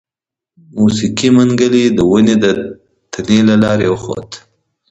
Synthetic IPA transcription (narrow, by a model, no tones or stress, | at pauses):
musikimaŋɡəlid̪əwʊned̪ə | t̪ʰanelalɑɾewəxo̰t̪